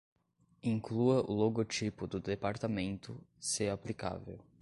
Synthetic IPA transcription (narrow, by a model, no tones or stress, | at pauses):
ĩŋkluɐʔʊloɡot͡ʃipʊd̪ʊd̪epaɾt̪amẽnt̪ʊseaplika̰vḛw